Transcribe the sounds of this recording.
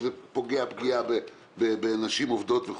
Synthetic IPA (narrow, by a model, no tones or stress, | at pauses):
zepo̞ɡeapɡiabe | bebeanaʃimovd̪o̞t̪ve